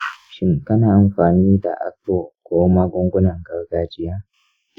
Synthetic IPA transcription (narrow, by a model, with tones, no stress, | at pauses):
ʃɪ˦ŋkɐ˦naː˨ʔa˨mɸaː˨niː˦da̰˨ʔa̰˦ktwo˨kʷoː˦ma˦ɡʷʊ˦ŋɡʷʊ˦nɐ˨ŋɡɐ˦ɽɡaː˦d͡ʒɪ˦jaː˦